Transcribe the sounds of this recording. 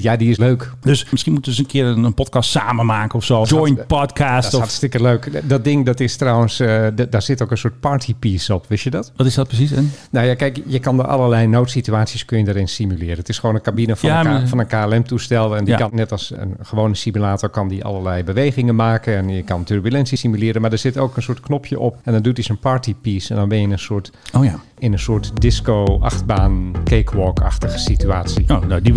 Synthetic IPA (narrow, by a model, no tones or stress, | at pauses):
jadiɪsløɥkdøsmɪsxinmutəədsənkʰɪəɾənənpɔtkɑstsaːmənmaːkənɔfsoːd͡ʒjnpɔtkʰaːsastɪkəløɥkdɔt̚dɪŋdɔtɪstrɔwənsdaɹz̥ɪtoːkənsʊːt̚paɹtʰipiːsɔpʋɪsjədɔtʋɔtɪsdɔt̚prəsisɛnnowjakɛjkjəkɑndəʔɑ̰lˠərlɛjnoːtsityaːsjiəskønjədaɾɪnstimylɪːɾəətɪsxʋoːnənkabinəfɔfɔnənkaɛlɛmtustɛlˠəɛndikɑnɛtɑlˠsə̰nχəʋownəsimylaːtɔɹkɑndiʔɑ̰lˠəɹlɛjbəʋejɣɪŋənmaːkənɛnjəkɑntørbylɛnsisimylɪːɾənmaɹdəɹz̥ɪtoːkənsuːətknɔpʰjəʔɔpɛndɔndutisonpaɹtipisɛndɔnbɪnjɪnənsuət | ɪnənsʊətdɪskowʔɑ̰xtbaːnkeːkʰʋɔːkʰɑ̰xtəxə̥sityaːsindi